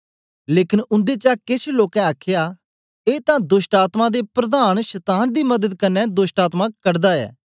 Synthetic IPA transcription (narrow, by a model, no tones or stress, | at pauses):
leːkɪnʊ̃nd̪eːt͡ʃaːkɪsloːkɛ̃aːkʰjaː | eːt̪ãːd̪ʊʃʈaːt̪mãːd̪eːpɾəd̪aːnʃɐt̪aːnd̪iːməd̪əd̪kənːɛ̃ːd̪ʊsʈaːt̪mãːkəɽd̪aːɛ̰ː